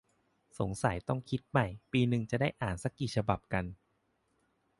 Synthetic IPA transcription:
so˩˦ŋsa˨˩˦jt̪ɔ˥˩ŋkʰi˦˥t̪̚ma˥˩jpiː˧nɯ˨ŋt͡ɕa˨˩daː˥˩jʔaː˨˩nsa˧˦˥kːiː˨˩t͡ɕʰa˧ba˨˩p̚ka˧n

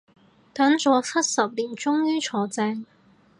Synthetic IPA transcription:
t̪ɐ˨˥ŋt͡sɔː˨˧t͡sʰɐ˥t̚sɐ˨p̚liː˨˩nt͡sʊ˥ŋjyː˥t͡sʰɔː˨˧t͡sɛː˧ŋ

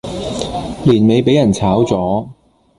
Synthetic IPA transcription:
liː˨˩nme˨˧jpe˨˥jɐ˨˩nt͡sʰaː˨˥wt͡sɔː˨˥

